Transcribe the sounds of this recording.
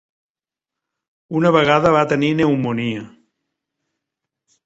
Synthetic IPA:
unəβəɣaðəβat̪ənineumuniə

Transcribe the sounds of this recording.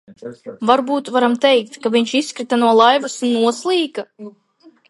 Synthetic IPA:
vaɾbuːt̪vaɾamt̪ɛjk̚t̪kaviɲʲt͡ʃisːkɾit̪anuɔlˠajvusunːuɔslˠiːka

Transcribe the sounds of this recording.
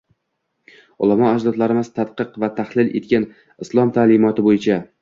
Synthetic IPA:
ʊ̰lˠamɒad͡ʒd̪ɒd̪laɾɪmɪz̥t̪ʰat̪qɨqvat̪ʰahlˠɪlʔe̞̰t̪̚kʲan | ɪslˠɒmt̪ʰaːlɪmɒt̪ʰɪbojɪt͡ʃʰa

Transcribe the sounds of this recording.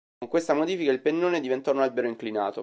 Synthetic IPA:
oŋkwest̪amod̪iːfikailpenːoːned̪ivent̪ɔnalbeɾoiŋklina̰ːt̪o

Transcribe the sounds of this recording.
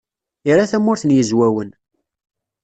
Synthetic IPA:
ɪɾaθæmːʊɾθənjəzwæwən

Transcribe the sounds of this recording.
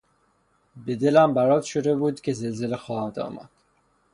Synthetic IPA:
be̞d̪elæmbæɾɒːt̪ʃod̪e̞buːd̪cʰʲe̞zelze̞lexɒːhæmd̪ɒ̰ːmæ̰d̪̥

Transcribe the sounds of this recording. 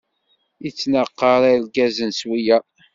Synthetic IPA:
it͡sːnəqːəɾˤalɡæzənswijæ

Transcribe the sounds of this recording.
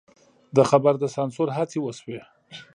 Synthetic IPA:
d̪əxabaɾd̪əsɑnsoɾɦat͡sewəswe

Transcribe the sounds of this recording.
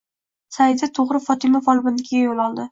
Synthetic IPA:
saɪd̪ɪt̪ʰoʁɾɪfɒt̪ʰɪmafɒlˠbɪnkʲʰɪɡʲajolˠɒlˠd̪ɪ

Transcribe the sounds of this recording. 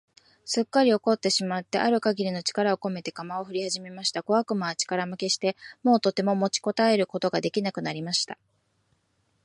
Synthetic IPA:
sɨkːaɾʲio̞ko̞t̪ːe̞ɕimat̪ːe̞ʔaɾɯ̟kaɡʲiɾʲino̞t͡ɕi̥kaɾao̞ko̞me̞t̪e̞kamao̞ɸɯ̟ɾʲihaʑime̞maɕi̥t̪ako̞βakɯ̟maːt͡ɕi̥kaɾamɯ̟ke̞ɕi̥t̪e̞mo̞ːt̪o̞t̪ːe̞mo̞mo̞t͡ɕi̥ko̞t̪ae̞ɾɯ̟ko̞t̪o̞ɡad̪e̞kʲinakɯ̟naɾʲimaɕi̥t̪a

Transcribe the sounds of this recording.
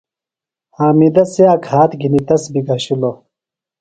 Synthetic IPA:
haːmid̪ɐseaːkʰaːt̪ɡinit̪ɐsbiɡʱɐɕilo

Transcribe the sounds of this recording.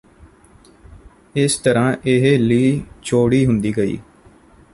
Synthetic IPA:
ɪst̪əɾãːʔɪɦeliːt͡ʃʰoːɽiːɦʊnd̪iːɡəḭː

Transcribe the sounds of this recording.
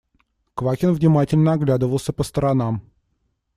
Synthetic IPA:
kvakʲɪnvnʲɪmatʲɪlʲnəɐɡlʲad̪əvəlˠsʲəpəst̪əɾɐnam

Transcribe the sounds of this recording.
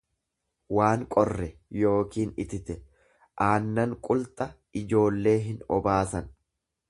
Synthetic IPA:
waːŋkʼɔrːɛjo̞ːkiːnɪt̪ɪt̪ɛ | ʔaːnːɐŋkʼʊlt̪ʼɐ | ɪd͡ʒo̞ːlːe̞ːɦɪnɔ̰baːsɐn

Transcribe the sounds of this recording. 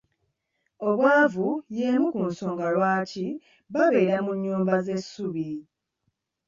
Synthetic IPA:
o̞βwaːvuje̞ːmukum̩so̞ːŋɡalwaːtʰi | βaβe̞ːɾamuɲːuːmbaze̞sːuβi

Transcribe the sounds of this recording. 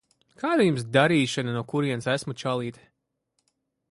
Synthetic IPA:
kaːd̪ajums̬d̪aɾiːʃananuɔkuɾiɛnsæsmut͡ʃalˠiːt̪

